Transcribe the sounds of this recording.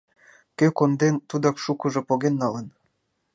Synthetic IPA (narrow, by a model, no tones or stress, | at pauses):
køkond̪ent̪ud̪ɑkʃukəʒopoɣenːɑlə̆n